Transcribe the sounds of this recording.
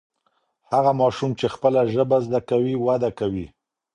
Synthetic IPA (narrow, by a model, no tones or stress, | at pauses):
haɣamɑʃumt͡ʃexpəlaʒəbazd̪akawiwad̪akawi